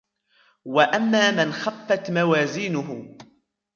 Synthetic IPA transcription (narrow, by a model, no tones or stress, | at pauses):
waʔamːaːmɪnxafːat̪mawaːziːnʊɦʊ